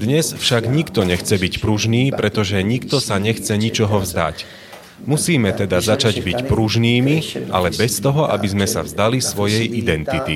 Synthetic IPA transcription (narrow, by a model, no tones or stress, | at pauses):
d̪ɲɛsfʃaɡɲikt̪ɔɲɛxt͡sɛbicpɾuʒniːpɾɛt̪ɔʒɛɲikt̪ɔsaɲɛxt͡sɛɲit͡ʃɔɦɔvzd̪a̰c | musiːmɛt̪ɛd̪azat͡ʃaɟbicpɾuʒniːmiʔa̰lɛbɛst̪ɔɦɔʔa̰bizmɛsa̰vzd̪alisʋɔjɛjʔid̪ɛnt̪it̪i